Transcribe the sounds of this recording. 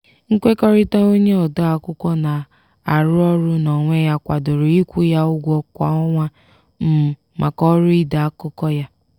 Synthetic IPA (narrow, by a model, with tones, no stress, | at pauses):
ŋ̩˦kʷe˦kɔ˦ɾɪ˦ta˦o˦ɲe˦ɔ˨da˦a˨kʊ˦kʷɔ˦na˨ | a˨ɾʊ˦ɔ˦ɾʊ˦nɔ˨ŋʷe˦ja˦kʷa˨do˨ɾʊ˨i˦kʷu˦ja˦ʊ˦ɡʷɔ˦kʷa̰˦ɔ˦ŋʷa˦ | m̩˦ | ma˨kɔ˦ɾʊ˦i˦da˨a˦kʊ˦kɔ˦ja˦